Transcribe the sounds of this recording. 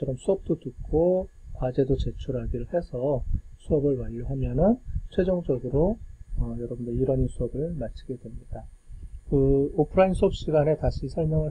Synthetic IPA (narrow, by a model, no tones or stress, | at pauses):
ʌɾʌmsʰuʌp̚t͈otɯk͈ʰokwad͡ʑe̞dot͡ɕe̞t͡ɕʰuɾɦaɡiɾɯɭhe̞sʰʌsʰuʌbɯɭwaʎːuɦamjʌnɯnt͡ɕʰwe̞d͡ʑʌŋd͡ʑʌɡɯɾoʌjʌɾʌbɯndeiɾʌɲinsʰuʌbɯɭmat͡ɕʰiɡe̞dwe̞mɲida | kɯopʰɯɾainsʰuʌp̚ɕ͈iɡane̞taɕʰisʰʌɭmjʌŋɯɭ